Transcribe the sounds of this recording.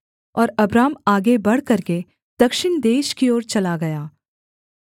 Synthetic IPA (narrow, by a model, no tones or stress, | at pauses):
ɔːɾɐbɾaːmaːɡebɐɽ̤kɐɾke | d̪̥ɐkʃɪnd̪eːʃkioːɾt͡ʃɐlaɡɐjaː